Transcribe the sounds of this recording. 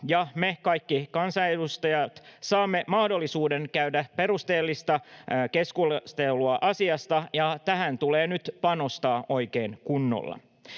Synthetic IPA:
jɑmekɑjkːikɑnsɑedust̪ɑjɑt̪sɑːmːemɑhdo̞lːisuːdeŋkæydæpe̞rust̪eːlːist̪ɑke̞skust̪eluɑʔɑsiɑst̪ɑjɑt̪æhænt̪uleːnyt̪pɑno̞st̪ɑːʔo̞jkeːnkunːo̰lːɑ̰

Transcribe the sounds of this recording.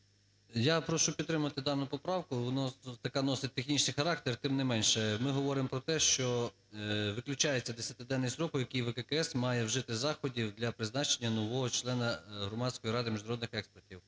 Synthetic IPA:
japɾɔʃʊpʲid̪ɾɪmɐɐt̪ɪd̪ɑwnʊpɔpɾɑwkʊnɑt̪ɐkɑnɔsɪt̚ʲt̪exnʲit͡ʃnɪjxɐɾɑk̚t̪ert̪ɪmnɛmɛnʲʃɛmɪɦɔʋɔɾɪmpɾɔt̪ɛʃt͡ʃɔ | ʋɪklʲʊt͡ʃɑjet͡sʲːɐd̪esʲɐt̪ɪd̪ɛnːɪsɾɔkʊjɐkijʋɛkɛkɛɛsmɑjɛwʒɪt̪ɪzɑxɔdʲiwd̪lʲɐpɾɪznɑt͡ʃenʲːɐnɔʋɔɦɔt͡ʃlˠɛnɐɦɾɔmɑdʲsʲkɔjiɾɑd̪ɪmʲiʒnɐɾɔd̪nɪxɛkspertʲiw

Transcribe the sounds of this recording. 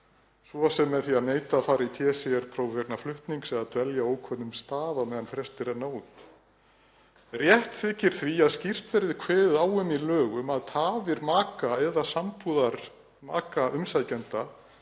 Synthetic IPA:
svɔsɛmːɛðθiaðneːjt̪afaːɾɪit̪ʰjɛːsɛɛɾ̥pʰɾoːwvɛɾnaflʏht̪niŋksɛðaðt̪vɛljaoːwkʰvœnʏmst̪aːðamɛːðanfɾɛst̪ɪɾɛnoːwt̪ | rjɛht̪θɪhcɪɾ̥θviaðscir̥t̪vɛɾðɪkʰvɛːðaːwʏmilœːɣʏmaðt̪ʰaːvɪɾmaːkaɛðasampuðaɾ | ma̰ːkaʔʏmsajcɛnt̪a

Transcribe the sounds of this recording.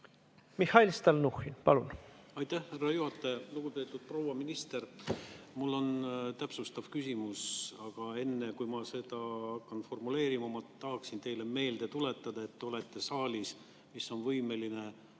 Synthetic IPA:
mihɑjlst̪ɑlnuxinpɑ̰lṵnɑjt̪ːæhhærːɑjuhɑt̪ːˑɑjɑluɡ̥upe̞ːt̪ːˑud̪̥̚pro̞ːwɑminist̪e̞rmulːo̞nt̪æpsust̪ɑvkysʲimusɑɡ̥ɑe̞nːe̞kujmɑse̞d̪̥ɑhɑkːɑnfo̞rmule̞ːɾimɑmɑt̪ɑɦɑksint̪e̞jle̞me̞ːld̪̥e̞t̪ule̞t̪ˑːɑd̪̥ɑe̞t̪ːeo̞le̞t̪ːe̞sɑːlis | misːo̞nvɤjme̞line̞

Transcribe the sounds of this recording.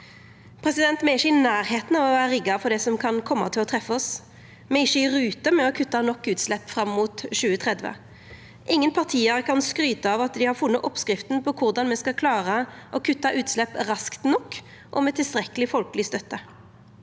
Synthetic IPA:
pʰʁɛsɪd̪ɛnt̪mɛɪʃːəɪnæːɾheːt̪n̩ɑʋɔʋæːəʁɪɡːɑfɔʁd̪ɛsɔmkʰɑnkʰɔmːɑ̰t̪ʰɪlɔt̪ʰʁɛfːɔs | mɛɪçːəʁʉːt̪əmɛɔkʰʉt̪ːɑnɔkːʉːt̪slɛpːfɾɑmːuːt̪ʃʉːət̪ʰʁɛd̪ʋə̰ | ʔɪŋːənpʰɑʁt̪ʰiːəʁkʰɑnskʁyːt̪əɑʋɑt̪̚d̪ɪhɑʁfʊnːəʔɔpskʁɪft̪n̩pʰɔkʰʊʁd̪ɑnmɛskɑkʰlɑːʁəʔɔkʰʉt̪ːɑʔʉːt̪slɛpːʁɑskt̪nɔkː | ʔɔ̰mɛt̪ʰɪlst̪ʁɛkəlɪfɔlkəlɪst̪œt̪ːə

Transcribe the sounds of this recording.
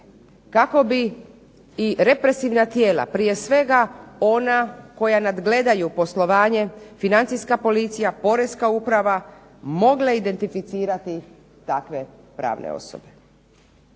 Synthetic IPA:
kako̞biː | ɾe̞pɾe̞siʋnat̪je̞ːla̰pɾije̞sʋe̞ɡao̞nako̞janad̪ɡle̞d̪ajupo̞slˠo̞ʋaːɲe̞finant̪sijskapo̞lit̪sijapo̞ɾe̞skaupɾaʋa | mo̞ɡlˠaid̪e̞nt̪ifit̪siːɾat̪i | t̪akʋe̞ | pɾa̰ːʋnḛo̰sobe

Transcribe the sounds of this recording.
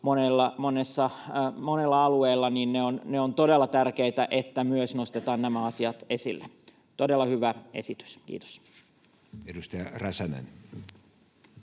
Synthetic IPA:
monelːɑmonesːɑmonelːɑɑlueːlːɑniːnneonneont̪odelːˑɑt̪ærkeit̪æʔet̪ːæmyøsnost̪et̪ɑːnnæmæɑsiɑt̪esḭlːe | t̪odelːɑhyʋæḛsit̪y̥skḭːt̪o̥s | edust̪ɑjɑræsænæ̰n

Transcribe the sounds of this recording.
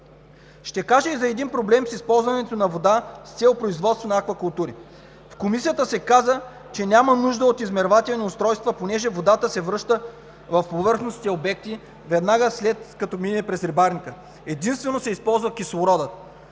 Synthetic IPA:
ʃt̪ɛkaʒɛizɐɛd̪inpɾoblɛmsispɔlˠzvɐnɛt̪onɐvod̪ast̪sɛlˠopɾoizvɔt̪st̪vonɐakvɐkʊlˠt̪uɾi | fkomisijət̪əsɛkazə | t͡ʃɛnʲamənuʒd̪əot̪izmɛɾvat̪ɛlniʊst̪ɾɔjst̪vəponɛʒɛvod̪at̪əsɛvɾɤʃt̪ə | vɐfpovɤɾxnosʲit̪ɛobɛk̚t̪i | vɛd̪naɡəslɛt̪kɐt̪ɔminɛpɾɛsɾɛbaɾnikə | ɛd̪inst̪vɛnosɛispɔlˠzvəkislˠoɾɔd̪ət̪

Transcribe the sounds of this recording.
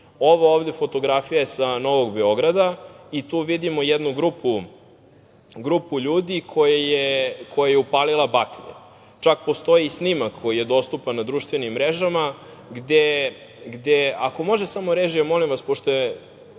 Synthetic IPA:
o̞ʋaovd̪e̞fo̞t̪o̞ɡɾafijaesano̞ʋo̞ɡbeo̞ɡɾad̪ait̪uːʋid̪imojed̪nuɡɾupu | ɡɾupuʎuːd̪ikʰojajekʰo̞jajeupalilˠabakɲḛ | t͡ʃakpo̞st̪o̞iːsnimakkːo̞jije̞d̪o̞st̪upanːad̪ɾuʃt̪ʋenimːɾeʒama | ɡd̪e | ɡd̪eako̞mo̞ʒesamoɾeʒijamo̞limʋaspoʃt̪oe

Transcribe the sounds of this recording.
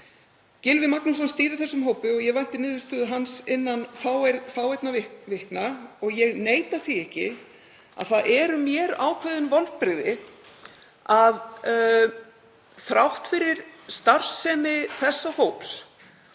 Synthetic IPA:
cɪlvɪmaknus̬ɔnst̪iːɾʏθɛsːʏmɦoːwpʏɔɣjɛɣvajn̥t̪ɪnɪːðʏst̪œːðʏɦansɪnːanfaːwfawɛjt̪navɪhknaɔɣjɛɣneːjt̪aθiɛhcɪ̰ | a̰ðθaðʔɛɾʏmjɛɾaːwkʰvɛðʏnvɔlpɾɪɣðɪ | að | θɾawht̪fɪɾɪɾ̥st̪ar̥sɛːmɪθɛsːahoːwps

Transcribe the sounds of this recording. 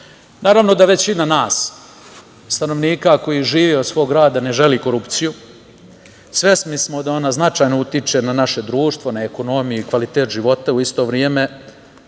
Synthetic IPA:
naːɾaʋno̞d̪aʋe̞t͡ɕinanaːs | st̪ano̞ʋniːkako̞jiʒiːʋiod̪sʋo̞ːɡɾaːd̪ane̞ʒe̞liko̞ɾupt̪siju | sʋe̞smismod̪ao̞naznat͡ʃaːjnout̪it͡ʃe̞nanaʃe̞d̪ɾuːʃt̪vʋonaeko̞no̞mijuikʋalit̪e̞ːt̪ʒiʋo̞t̪auist̪o̞ʋɾjeme̞

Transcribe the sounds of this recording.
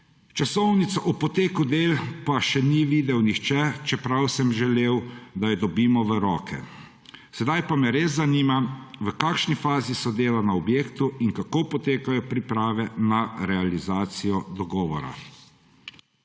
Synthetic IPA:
t͡ʃasɔwnit̪saʔupɔt̪eːkud̪eːlpaʃɛniʋiːd̪ɛwnixt͡ʃɛt͡ʃɛpɾawsɛmʒɛleːwd̪ajɛd̪ɔbiːmɔʋəɾɔːkʰɛ̰ | sɛd̪ajpamɛɾezːaniːmaʋəkaːkʃnifaːzisɔd̪eːlanaɔbjeːkt̪uiŋkakoːpɔt̪eːkajɔpɾipɾaːʋɛnaɾɛalizaːt̪sijɔd̪ɔɡɔːʋɔɾa̰

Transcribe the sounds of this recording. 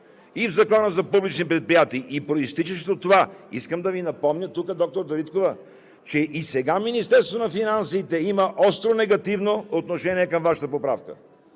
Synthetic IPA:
ivzɐkɔnəzɐpublit͡ʃnipɾɛt̪̚pɾijat̪iːʔipɾoist̪it͡ʃəʃt̪ɛot̪ːovaiskəmd̪ɐvinɐpɔmnʲət̪ukəd̪ɔk̚t̪oɾd̪ɐɾit̪kovɐ | t͡ʃɛʔisɛɡaminist̪ɛɾst̪vonɐfinansiːt̪ɛimɐʔɔst̪ɾonɛɡɐt̪ivnoot̪noʃɛniɛkɐmvaʃə̥t̪əpopɾa̰fkə̰

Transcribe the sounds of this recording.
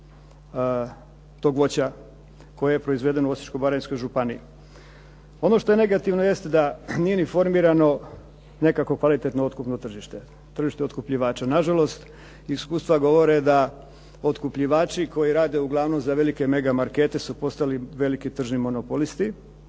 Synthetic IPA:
t̪o̞ːɡʋo̞t͡ɕa | ko̞jejepɾo̞izʋed̪e̞nouosi̥t͡ʃkobaɾajnskojʒupani | o̞no̞ʃt̪oe̞ne̞ɡat̪iʋnojest̪d̪anijenifo̞ɾmiːɾano̞ | ne̞kako̞kʋalit̪et̪noot̪kupno̞t̪r̩ʒiʃt̪e | t̪r̩ʒiʃt̪eot̪kupʎiʋaːt͡ʃanaʒalo̞st̪ | iskuːst̪ʋaɡo̞ʋo̞ɾed̪a | o̞t̪kupʎiʋaːt͡ʃiko̞jiɾaːd̪e̞uɡlˠaːʋno̞mzaʋe̞like̞me̞ɡamaɾke̞ːt̪e̞supo̞st̪aliʋe̞likit̪r̩ʒnimo̞nopo̞list̪i

